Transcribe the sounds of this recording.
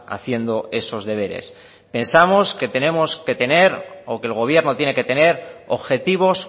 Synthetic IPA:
a̰θje̞nd̪o̞e̞so̞zðe̞β̞e̞ɾe̞̰s | pe̞nsamo̞ske̞t̪e̞ne̞mo̞ske̞t̪e̞ne̞ɾokelɣ̞o̞β̞je̞ɾnot̪jene̞ket̪e̞ne̞ɾo̰βxe̞t̪iβ̞o̞s

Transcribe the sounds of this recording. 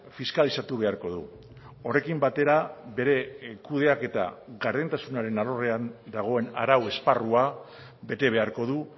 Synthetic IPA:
fiskalisat̪uβe̞aɾko̞ðṵ | o̞re̞kimbat̪e̞ɾabe̞ɾe̞kuð̞e̞ake̞t̪a̰ɣaɾðent̪asunaɾe̞nalore̞and̪aɣ̞o̞e̞na̰ɾawe̞sparua | be̞t̪e̞β̞e̞aɾko̞ð̞u

